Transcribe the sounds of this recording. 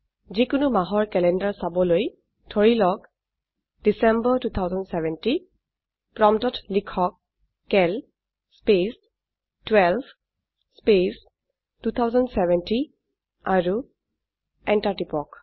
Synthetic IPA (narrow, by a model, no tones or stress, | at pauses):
zikʊnumaɦɔɹkɛlɛndaɹsabɔloj | tʰoɹilɔk | d̥isɛmbɔtut̪ʰawzɔndsɛvɛnti | pɹɔmtɔtʰlikʰɔk̚ː | ɛl | spes | twɛlb | spes | tut̪ʰawzɔndsɛvɛnti | aɹu | ɛntaɹtipɔk